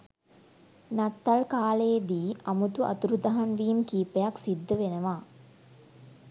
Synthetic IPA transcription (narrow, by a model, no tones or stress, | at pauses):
nɐt̪ːɐlkaːleːd̪iːɐmut̪uʔɐ̰t̪uɾut̪ɐɦɐnʋiːmkiːpejaksid̪ːəʋenəʋaː